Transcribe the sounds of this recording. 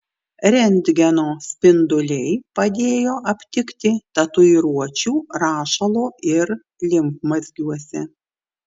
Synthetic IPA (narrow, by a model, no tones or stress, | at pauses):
ɾʲɛnʲd̪ʲɡʲɛnoːsʲpʲɪnd̪ʊlʲɛɪpɐd̪ʲeːjoːʔɐpʲt̪ʲɪkt̪ʲɪt̪ɐt̪ʊiɾuɔt͡ʃʲuːɾɑːʃɐlˠoːʔɪɾ | lʲɪmkmɐzʲɡʲuɔsʲɛ